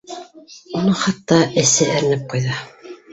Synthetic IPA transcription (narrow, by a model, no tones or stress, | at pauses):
unɤχɑt̪ːɑɘ̆sæɘ̆ɾɘ̆nɘp̚qujðɑ